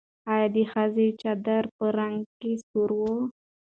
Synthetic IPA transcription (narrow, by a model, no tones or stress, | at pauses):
ajad̪ixazet͡ʃad̪aɾpəɾaŋɡkesuɾwo